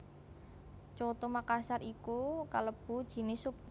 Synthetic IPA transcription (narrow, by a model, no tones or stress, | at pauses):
t͡ʃot̪omakasaɾikukaləb̥ṳd̥ʒ̥i̤nɪsʊp̚